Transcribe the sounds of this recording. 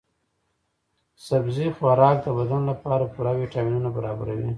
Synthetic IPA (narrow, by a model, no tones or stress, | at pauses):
sabzixwaɾɑk̚d̪əbad̪anlapɑɾapuɽawiʈɑminunabaɾɑbaɾa̰wi